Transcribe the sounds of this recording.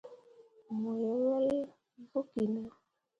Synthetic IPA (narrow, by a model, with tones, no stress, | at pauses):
mo˨jɛ˨lɔ˦l | vu˦ki˨na˦